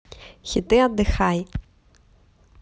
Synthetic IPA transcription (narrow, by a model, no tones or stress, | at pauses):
xʲit̪ʼɨad̪ɨxaj